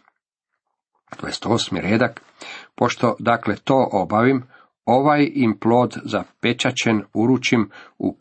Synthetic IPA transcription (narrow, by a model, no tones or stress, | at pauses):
t̪o̰jest̪osmḭɾeːd̪ak | po̞ʃt̪o̞d̪akle̞t̪o̞ːʔobaʋim | o̞ʋajimplo̞ːd̪zape̞t͡ʃat͡ɕe̞nuɾut͡ʃimṵ